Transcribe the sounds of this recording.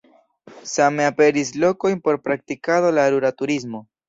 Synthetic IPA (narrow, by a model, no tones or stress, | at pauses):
same̞ape̞ɾis̬lo̞ko̞jnpo̞ɾpɾak̚tikado̞laɾuɾatuɾismo̞